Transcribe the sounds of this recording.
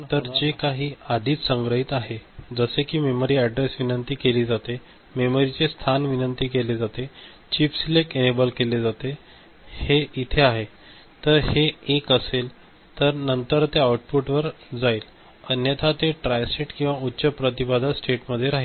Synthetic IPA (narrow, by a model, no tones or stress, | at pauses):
t̪əɾd͡ʑekaɦiːad̪ʱiːt̪səŋɡɾəɦit̪aɦed͡zəsekiːmeməɾiːæɖɾesʋinənt̪iːkeliːd͡zat̪e | meməɾit͡sest̪ʰanʋinənt̪iːkeled͡zat̪e | t͡ɕifslekenebəlkeled͡zat̪e | heit̪ʰeaɦe | t̪əɾheːkəsel | t̪əɾnənt̪əɾt̪eawʈ̚puʈʋəɾ | d͡zaiːl | ənjət̪ʰat̪eʈɾajseʈkĩw̃ʋautːɕəpɾət̪ibad̪ʱasʈeʈməd̪ʱːjeɾaɦil